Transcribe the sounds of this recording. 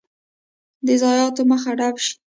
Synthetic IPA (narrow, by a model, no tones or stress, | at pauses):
d̪əzɑjɑt̪oməxaɖabʃi̥